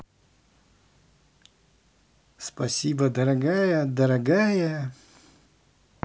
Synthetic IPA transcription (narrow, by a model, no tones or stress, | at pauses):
spɐsʲiːbɐd̪ɐɾɐɡaːjɛd̪ɐɾɐɡaːjɛ